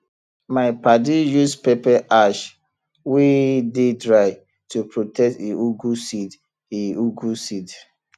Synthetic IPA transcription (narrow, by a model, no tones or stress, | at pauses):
maɪpadijuspepɛʔaʃ | widedɹaɪ | tupɹotɛk̚teuɡusid | iuɡusid